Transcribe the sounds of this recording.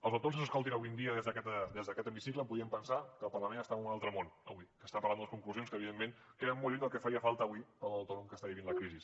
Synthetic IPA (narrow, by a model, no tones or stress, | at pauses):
əlˠzəwt̪onz̬ənzəskolˠt̪̬inəβujnd̪iəðezðəkɛt̪əd̪ezðəkɛt̪əmisikləmpuðiəmpənsakəlˠpərləmẽnəst̪aunalˠt̪ɾəmonə̰βwikəst̪apəɾland̪ələskuŋkluzjonskəːβiðemːenkeðəmmolʎund̪əlˠkɛfəɾiəfalˠt̪əːβwipəəwt̪onomkəst̪aβiβinləkɾizis